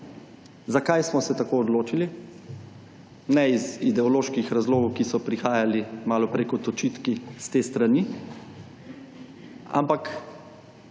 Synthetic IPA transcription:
zakajsmɔsɛt̪akoːd̪loːt͡ʃili | nɛizid̪ɛɔloːʃkixɾazloːɡɔwkisɔpɾixaːjalimaːlɔpɾeːkɔt̪ɔt͡ʃit̪kist̪eːst̪ɾani | a̰mpak

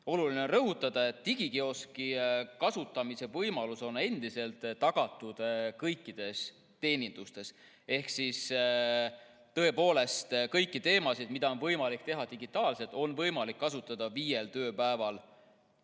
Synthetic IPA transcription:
o̞lulineo̞nrɤɦut̪ːˑɑd̪̥ɑe̞t̪ːiɡ̥ikeo̞skikɑsut̪ːˑɑmise̞vɤjmɑluso̞ne̞nd̪̥ise̞lt̪ˑːɑɡ̥ɑt̪ːˑud̪̥kɤjkˑːid̪̥e̞s | t̪e̞ːnʲind̪̥ust̪e̞s | e̞hksis | t̪ɤ̞e̞po̞ːle̞st̪kɤjkːˑit̪e̞ːmɑsid̪̥mid̪̥ɑo̞nvɤjmɑlikt̪e̞ɦɑd̪iɡ̥it̪ːˑɑːlse̞t̪ːˑo̞nvɤjmɑlikːɑsut̪ːˑɑd̪̥ɑviːje̞lt̪ø̞ːpæevɑl

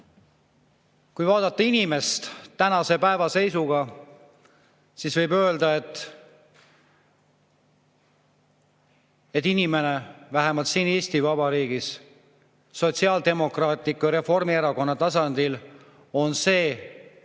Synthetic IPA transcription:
kujvɑːd̪̥ɑt̪ːˑɑinime̞st̪t̪ːænɑse̞pæevɑse̞jsuɡɑ | sisvɤjbø̞eld̪ɑe̞t̪ːˑ | e̞t̪ːˑinime̞ne̞væɦemɑlt̪siːne̞ːsʲt̪ivɑbɑɾiːɡis | so̞t̪ʲsiɑːld̪e̞mo̞krɑːt̪ʲːˑikːuɾe̞fo̞rmieɾɑko̞nːɑt̪ɑsɑnd̪̥il | o̞nse̞ː

